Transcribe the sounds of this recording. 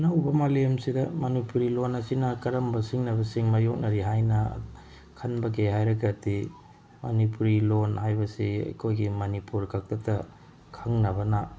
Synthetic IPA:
nɐwbɐmalemsidɐmɐnipuɾilonɐsinɐkɐɾɐmbɐsiŋnɐbɐsiŋmajok̚nɐɾiɦajnɐ̰ | kʰɐnbɐɡeɦajɾɐkɐti | mɐnipuɾilonhajbɐsiɐ̰jkʰojɡimɐnipuɾkʰak̚tɐtɐ | kʰɐŋnɐbɐnɐ

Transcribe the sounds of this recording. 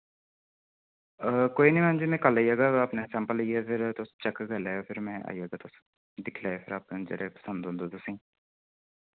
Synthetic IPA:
koːiːnĩːmãːnd͡ʒiːmɛ̃ːkəlːaːijaːɡaːaːpneːsɛ̃ːmpələiɛːpʰɪɾt̪ʊst͡ʃəkɡəlaːoːpʰɪɾmɛ̃ːʔa̰ːijaːɡaːt̪ʊs | d̪ɪkʰlaːeːpʰɪɾaːpd͡ʒə̰ɾeːpə̥sə̃nd̪ɦõnd̪oːt̪ʊsĩː

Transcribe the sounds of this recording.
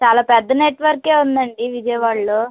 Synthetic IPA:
t͡ʃaːlaːpɛd̪ːɐneːʈʋɐɾke̞ːund̪ɐɳɖiʋid͡ʒɐjɐʋaːɭːoː

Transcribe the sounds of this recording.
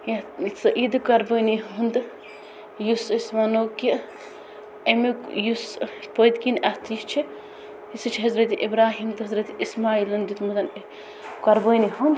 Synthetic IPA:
jɐit̪sɐʔid̪ɨkɐɾbəːniɦund̪ | jusismɐnoːki | ɐmijuspəd̪kinʔɐt̪ʰist͡ʃʰi | isɨt͡ʃʰiɦɐzɾɐt̪iʔibɾaːɦiːmt̪ɐɦɐzɾɐt̪ismaːiːlɐnd̪it̪ʰmɐd̪ɐn | kɐɾbəːniɦund̪

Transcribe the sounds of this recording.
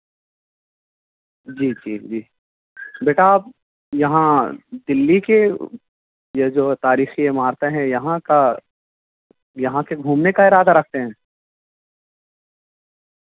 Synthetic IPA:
d͡ʒiːd͡ʒiːd͡ʒiː | beːʈaːp̚ | jɐɦãd̪ɪlːike | jed͡ʒoːt̪aːɾiːxijemaːɾt̪eɦɛ̃jɐɦãka | jɐɦãkeɡʱuːmnekaɪɾaːd̪aɾɐk̚ʰt̪eɦɛ̃ː

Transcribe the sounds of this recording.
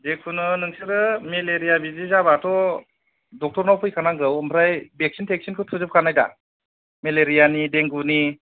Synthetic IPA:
dekʰunɯnɯŋsɯɾɯmeleɾijabizizaβatʰɔ | dɔk̚tɔɾnawpʰɯjkʰanaɡɯwɯmpʰɾajbek̚sintʰek̚sinkʰɯtʰɯzɯp̚kʰanajda̰ | meleɾijanideŋɡuni

